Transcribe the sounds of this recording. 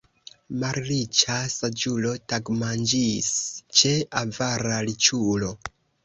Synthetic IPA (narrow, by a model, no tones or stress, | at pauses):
maɾlit͡ʃasad͡ʒulo̞taɡmand͡ʒist͡ʃe̞avaɾalit͡ʃulo̞